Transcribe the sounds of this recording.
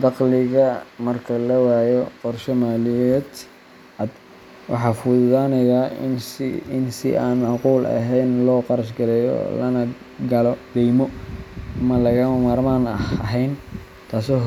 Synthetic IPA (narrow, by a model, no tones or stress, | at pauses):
d̪ɑqlɪɣɐmɐrkʰɐlɐwaːjɔqɔrʃɔmaːlɪjɛːd̪ | ʔɐd̪ | wɑ̰ħɑːfʊd̪ðaːnɐjaːsɪnsɪ̰ʔaːnmɑʕquːlɐ̰ɦɛjnlɔːqɑɾɐʃɡɐlɛːjɔ̰lɐnɐ | ɡɐlɔd̪ɛjmɔɐmɐlɐɣɐmɐmaːrmaːnɐɦɛjn | t̪ʰaːsɔɦ